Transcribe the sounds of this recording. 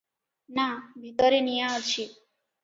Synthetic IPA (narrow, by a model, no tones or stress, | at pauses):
nabʱit̪ɔɾenijaɔt͡ʃʰi